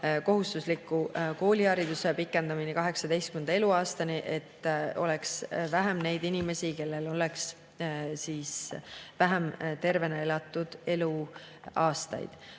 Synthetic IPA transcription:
ko̞ɦust̪uslikːˑuko̞ːlihɑɾid̪usepikˑːe̞nd̪ɑminekɑɦe̞ksɑd̪e̞jst̪̚kymend̪ɑe̞luɑːst̪ɑniʔe̞t̪ːo̞̰leksvæɦemne̞jd̪inime̞sike̞lːe̞lo̞le̞ks | siːsvæɦæmt̪e̞rve̞neelɑt̪ːˑud̪̥e̞lu | ɑːst̪ɑ̰jd̪̥

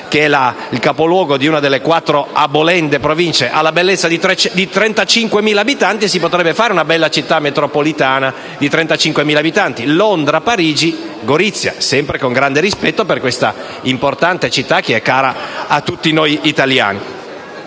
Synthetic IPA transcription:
keɛla | ilkapolwɔːɡod̪iunad̪elːekwat̪ːɾoabolɛnd̪epɾovint͡ʃeʔalːabelːet̪sːad̪it̪ɾɛt͡ʃɛd̪it̪ɾɛnt̪at͡ʃiŋkwemiːlaːbit̪ant̪isipot̪ɾɛbːefaːɾeunabɛlːat͡ʃit̪ːamːet̪ɾopolit̪aːna | d̪it̪ɾɛnt̪at͡ʃiŋkwemiːlaːbit̪ant̪ilond̪ɾapaɾiːd͡ʒiɡoɾit̪sːja̰sɛmpɾekoŋɡɾand̪eɾispɛt̪ːoperkwest̪a̰ | import̪ant̪et͡ʃit̪ːak̟ːeɛkːaːɾaat̪ːut̪ːinojit̪alja̰ːni

